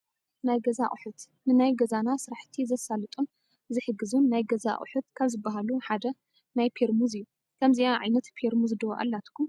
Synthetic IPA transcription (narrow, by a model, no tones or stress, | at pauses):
najɡɐzaʔʼħut̪ | nɨnajɡɐzanasɨɾaħt̪ʰizɐsalɨt̪ʼun | zɨħɨɡɨzunːajɡɐza̰ʔʼṵħut̪kʰaβzɨbːaɦaluħad̪ɐ | najpʰeɾmuzɨjːu | kʰɐmziaʕa̰jnɐt̪pʰeɾmuzd̪ɐwʔa̰lːat̪kʰːum